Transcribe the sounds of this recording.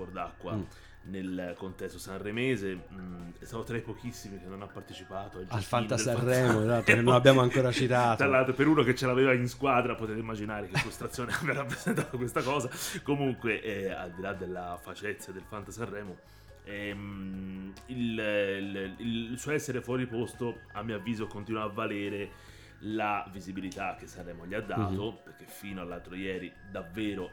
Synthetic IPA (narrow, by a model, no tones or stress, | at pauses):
ford̪a̰kːwa | nelkont̪ɛst̪osanremɛːzeɛst̪aːt̪ot̪ɾepokisːimik̟enːonapːaɾt̪et͡ʃipaːt̪oalalfaniːnad̪eaːɛːmoezat̪ːenonabjaːmoaŋkoːɾat͡ʃit̪at̪ɾalːalt̪ɾopeɾuːnoket͡ʃːelaveːvainskwaːd̪ɾapot̪eːt̪eimːad͡ʒinaːɾek̟efɾost̪ɾat̪sːjoːneaveaɾapːɾezent̪aːt̪okwest̪akɔːzakomuŋkweʔɛa̰ld̪ilad̪ːelːafat͡ʃɛt̪sːad̪elfant̪asarːɛːmo | ɛm | il | ilsuoɛsːeɾefwɔːɾipost̪oamːiavːiːzokont̪inwaːvːaleːɾe | lavizibilit̪ak̟ːesːarːɛːmoʎiad̪ːaːt̪opeɾk̟ːefiːnoalːalt̪ɾojɛːɾi | d̪avːeːɾo